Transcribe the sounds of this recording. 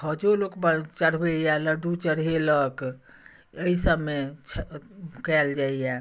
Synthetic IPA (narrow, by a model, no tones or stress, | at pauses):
həd͡ʒolokbət͡ʃəɽ̤bejaləɖut͡ʃəɽ̤ɦelək | əisəbmet͡ʃʰkɛld͡ʒaija